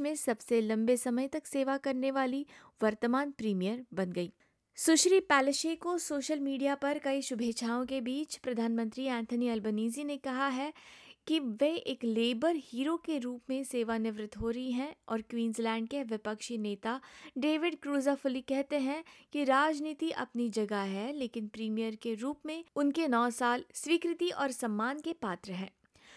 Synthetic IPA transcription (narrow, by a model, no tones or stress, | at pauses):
mẽsɐbselɐ̃mbesɐməjt̪ɐkseːʋakɐɾneʋaːli | ʋɐɾt̪əmaːnpɾiːmijəɾbɐnɡɐiː | sʊʃɾipɛːlɪʃekosoːʃəlmiːɖijapɐɾkɐiʃʊbʱeːt͡ʃʰaːõkebiːt͡ʃpɾɐd̪ʱaːnmə̃nt̪ɾiɛ̃ːnt̪ʰəniɐlbəniːzinekɐɦaɦɛkiʋɛɦeːkleːbəɾhiːɾokeɾuːpmẽseːʋanɪʋɾɪt̪ɦoːɾɐɦiɦɛ̃ɔːɾkwiːnzlɛ̃ːɳɖ̚keʋɪpəkʃineːt̪aɖeːʋɪɖkɾuːzafʊlikɛɦt̪eɦɛ̃kiɾaːd͡ʒniːt̪iʔɐ̰pnid͡ʒɐɡaɦɛleːkɪnpɾiːmijəɾkeɾuːpmẽʊnkenɔːsaːlsʋiːkɾɪt̪iʔɔːɾsɐmːaːnkepaːt̪ɾəɦɛ̃ː